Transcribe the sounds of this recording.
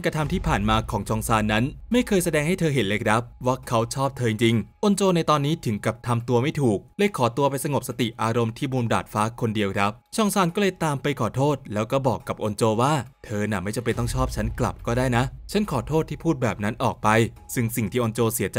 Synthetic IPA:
nkɾa˧t̪ʰa˧mt̪ʰiː˥˩pʰaː˨˩nmaː˧kʰɔː˩˦ŋt͡ɕʰɔː˧ŋsaː˧nːa˦˥nma˥˩jkʰɤː˧jsa˧dɛː˧ŋha˥˩jt̪ʰɤː˧ɦe˩˦nleː˧jkʰɾa˦˥p̚wa˦˥˩kʰa˦˥wt͡ɕʰɔː˥˩p̚t̪ʰɤː˧i˧ŋt͡ɕi˧ŋʔo˧nt͡ɕoː˧na˧jt̪ɔː˧nːiː˦˥t̪ʰɯ˩˦ŋka˨˩p̚t̪ʰa˧mt̪u˧ɐma˥˩jt̪ʰuː˨˩k̚lɤː˧jkʰɔː˩˦t̪u˧ɐpa˧jsa˧ŋo˨˩p̚sa˧t̪i˨˩ʔaː˧ɾo˧mt̪ʰiː˥˩buː˧nda̰ː˨˩t̪̚faː˦˥kʰo˧ndi˧əwkʰɾa˦˥p̚t͡ɕʰɔː˧ŋsaː˧nkɔː˥˩lɤː˧jt̪aː˧mpa˧jkʰɔː˩˦t̪ʰoː˥˩t̪̚lɛː˦˥wkɔː˥˩bɔː˨˩kːa˨˩p̚ʔo˧nt͡ɕoː˧waː˥˩t̪ʰɤː˧na˨˩ma˥˩jt͡ɕa˧mpe˧nt̪ɔ˥˩t͡ɕʰɔː˥˩p̚t͡ɕʰa˦˥nkla̰˨˩p̚kɔː˥˩daː˥˩jna˦˥ʔt͡ɕʰa˦˥nkʰɔː˩˦t̪ʰoː˥˩t̪ʰːiː˥˩pʰuː˥˩t̪̚bɛː˨˩p̚na˦˥nʔɔː˨˩k̚pa˧j | sɯ˧˩ŋsi˨˩ŋt̪ʰiː˥˩ʔo˧nt͡ɕoː˧si˨˩˦t͡ɕ

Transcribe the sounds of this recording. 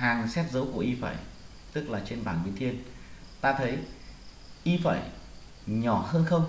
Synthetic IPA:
haː˨˩ŋsɛ˦˥t̚zə˨˦wku˧˩əʔi˧fa̰ː˧˨j | t̪ɨ˦˥k̚laː˨˩t͡ɕe˧nɓaː˧˩nɓi˨˦nt̪ʰi˧ənt̪aː˧t̪ʰə˨˦j | ʔi˧fa̰ː˧˨j | ɲɔ˧˩həː˧nxə˧wŋ͡m

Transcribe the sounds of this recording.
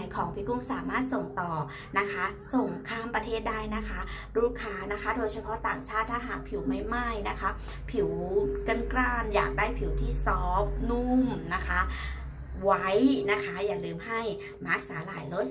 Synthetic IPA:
jkʰɔː˩˦ŋpʰiː˦˥ku˧˥˩ŋsaː˩˦maː˥˩t̪̚so˨˩ŋt̪ɔː˨˩ | na˦˥kʰa˦˥so˨˩ŋkʰaː˥˩˨mpɾa˧t̪ʰeː˥˩t̪̚daː˥˩jna˦˥kʰa˦˥ | ɾuː˥˩kʰaː˧˥na˦˥kʰa˦˥doː˧jsʰa˧pʰɔ˦˥t̪aː˨˩ŋt͡ɕʰaː˥˩t̪ʰːaː˥˩ɦaː˨˩˦k̚pʰi˨˩˦wma˥˩jma˥˩jna˦˥kʰa˦˥ | pʰi˨˩˦wka˧˩nklaː˥˩nja̰ː˨˩k̚daː˥˩jpʰi˨˩˦wt̪ʰiː˥˩sɔː˦˥p̚nu˥˩mna˦˥kʰa˦˥ | wa˦˥jna˦˥kʰa˦˥jaː˨˩lɯː˨˦mha˥˩j | maː˦˥˩k̚saː˨˦laː˨˩˦jlo˦˥

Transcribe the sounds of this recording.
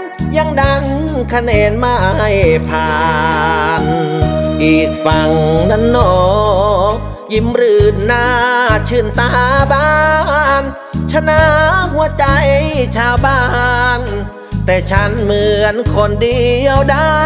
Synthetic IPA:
nja˧˩ŋda˧n | kʰa˧neː˨˧nma˧˩jpʰaː˧ | nkiː˨˩t̪̚fa˧˩ŋna˧˥˦nːɔː˧˩ | k̚ | ji˧˥mɾɯː˧˩nːaː˧t͡ɕʰɯ˧˩˨nt̪aː˧baː˧˥n | t͡ɕʰa˧na˧˥hu˧˥ɐt͡ɕa˧jt͡ɕʰaː˧˩wbaː˧˩˧n | t̪ɛː˨˩t͡ɕʰa˦˥nmɯ˧ənkʰo˧˩ndi˧əwda˧˩

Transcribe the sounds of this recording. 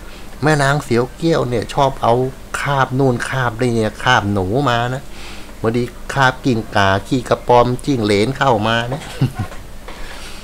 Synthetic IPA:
mɛː˦˥˩naː˧ŋsi˨˩˦əwki˥˩əwni˧˥˩ɐt͡ɕʰɔː˥˩p̚ʔa˧w | kʰaː˥˩p̚nuː˧˩˨nkʰaː˥˩p̚ni˧˩ni˧˩kʰaː˥˩p̚nuː˩˦maː˧na˦˥bɔː˧diː˧kʰaː˥˩p̚ki˧˨˩ŋkaː˨˩kʰiː˧˩ka˧pɔː˧mt͡ɕi˧˩ŋleː˨˦nkʰa˧˥˩wmaː˧na˦˥˩

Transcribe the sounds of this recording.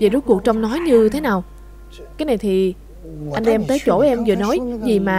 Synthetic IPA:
ve˨˩zt̚ku˨˩ək̚t͡ɕɔ˧wŋ͡mnɔ˨˦jɲɨ˧t̪ʰe˨˦naː˨˩w | kaː˨˦jna˨˩jt̪ʰi˨˩ | ʔa˧jŋ̟ʔɛ˧mt̪əː˨˦jt͡ɕo˧˩ʔɛ˧mzɨ˧˨nɔ˨˦jzi˨˩maː˨˩

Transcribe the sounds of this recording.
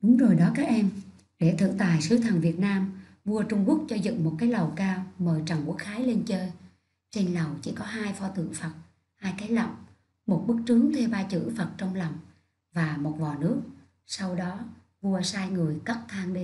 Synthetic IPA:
ɗʊ˨˦ŋ͡mzo˨˩jɗɔ˨˦kaː˦˥k̚ʔɛ˧m | ɗḛ˧˩t̪ʰɨ̰˧˨t̪aː˨˩jsɨ˨˦t̪ʰə˨˩ŋvi˨˩ət̚naː˧m | vu˧ət͡ɕʊ˧ŋ͡mku˦˥ək̚t͡ɕɔ˧zɨ̰˧˨ŋmo˨˩t̚kaː˨˦jlə˨˩wkaː˧wməː˨˩jt͡ɕa˨˩ŋku˧˦˥ək̚xaː˨˦jle˧nt͡ɕəː˧j | t͡ɕe˧nlə˨˩wt͡ɕḭ˧˩kɔ˨˦ɦaː˧jfɔ˧t̪ɨ̰˧˩əŋfə˨˩t̚ | haː˧jkaː˨˦jlɔ̰˨wŋ͡m | mo˨˩t̚ɓɨ˦˥k̚t͡ɕɨ˨˦əŋt̪ʰe˧wɓaː˧t͡ɕɨ̰˧˥fə˨˩t̚t͡ɕɔ˧wŋ͡mla˨˩wŋ͡m | vaː˨˩mo˨˩t̚vɔ̰˧˨nɨ˦˥ək̚ | sa˧wɗɔ˨˦ | vu˧əsaː˧jŋɨ˨˩əjkə˦˥t̚t̪ʰaː˧ŋɗe˧

